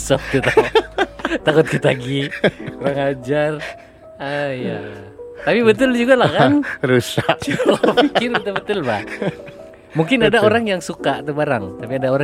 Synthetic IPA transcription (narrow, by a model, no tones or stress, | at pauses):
səf̚t̪ut̪a | t̪akʊt̪̚kət̪aɡioɾaŋad͡ʒar | əija | t̪apibət̪ʊld͡ʒuɡalakanɾusaʔt͡ʃulafikɪrbət̪̬ʊlbət̪ʊlbah | muŋkɪnadaoɾaŋjaŋsukat̪abaɾa̰ŋt̪apiadaoɾa